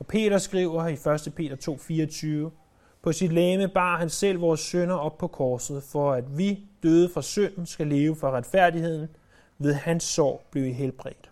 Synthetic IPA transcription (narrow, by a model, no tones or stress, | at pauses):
ɒ̽pʰe̝̰ːɾ̥ɐsɡ̥ʁiːʊ̰ɐifɶɐsd̥əpʰe̝̰ːd̥ɐt͡sʰo̝̰ːfiːɐɒt͡sʰyːʊə | pʰɒ̽sid̥leːməb̥ɑ̰̈ːhænsel̰ʋɒːsːønɐɒ̽b̥̚pʰɒ̽kʰɒːsð̩ˠfɒ̽æd̥ʋid̥øːð̞ˠəfʁɑsøn̰n̩sɡ̥æle̝ːʊəfɒ̽ʁad̥fæɐ̰dihe̝ð̰ˠn̩ | ʋe̝ðˠhænsːɒ̰ːb̥leʊiɦelb̥ʁɛ̰d̥